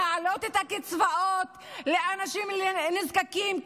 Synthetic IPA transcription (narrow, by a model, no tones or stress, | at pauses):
ʕalot̪et̪hakit͡svaʔot̪leanaʃimnizkakim